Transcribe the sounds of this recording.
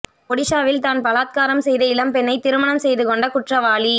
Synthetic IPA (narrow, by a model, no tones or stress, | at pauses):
pɔɽɪʂaːʋɪlt̪aːnpɐlaːt̪̚kaːɾɐmsɛjðɐɪlɐmpɛnːɐɪt̪ɪɾɯmɐnɐmsɛjðɯkɔɳɖɐkʊʈrɐʋaːli